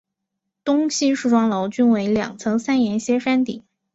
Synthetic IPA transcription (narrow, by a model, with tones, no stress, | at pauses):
t̪ʊ˥ŋɕʰi˥ʂɻ̩u˥˩ʈ͡ʂwɑ˥ŋlo˧˥ʊt͡ɕy˥nwe˧˥ɪljɑ̰˨˩ŋt͡sʰɤ˧˥ŋsa˥njɛ˧˥nɕjɛ˥ʂa˥nt̪ḭ˨˩˦